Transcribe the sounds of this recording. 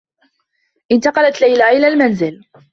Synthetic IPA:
ʔɪnt̪ɑqɑlat̪lajlaʔɪlaːlmanzɪl

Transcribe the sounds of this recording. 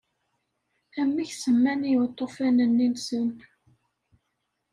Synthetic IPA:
æmːiçsəmːænijwt̪ˤːofænənːinsən

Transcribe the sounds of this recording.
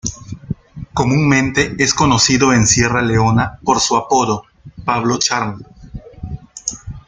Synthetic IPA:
ko̞mũŋmẽ̞nt̪e̞esko̞no̞siðoensje̞raleo̞napo̞ɾsuapo̞ðo̞ | paβlo̞t͡ʃaɾn

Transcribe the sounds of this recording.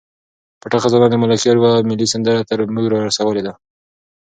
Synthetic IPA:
paʈaxazɑnɑnd̪əmalakiaɾwamɪlisand̪əɾat̪əɾmuɡɾɑɾasawəled̪a

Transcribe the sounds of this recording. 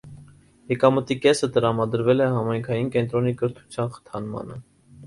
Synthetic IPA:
jɛkɑmət̪ikɛsət̪əɾɑmɑd̪əɾvɛlɛhɑmɑjŋkʰɑjinkɛnt̪ɾɔnikəɾt̪ʰu̥t͡sʰjɑnχə̥t̪ʰɑnmɑ̰nə

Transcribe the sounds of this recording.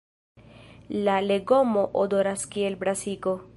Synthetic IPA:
laleɡomoʔod̪oɾaskielbɾasiɡo

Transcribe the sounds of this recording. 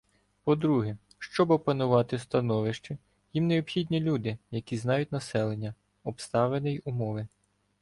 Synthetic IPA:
pɔd̪ɾuɦɛ | ʃt͡ʃɔbɔpɐnʊʋɑt̪ɪst̪ɐnɔʋɪʃt͡ʃɛ | jimneɔpxʲid̪ʲnʲilʲud̪ɪjɐkʲiznɑjʊt̚ʲnɐsɛlˠenʲːɐ | ɔpst̪ɑʋenɪjumɔʋɪ

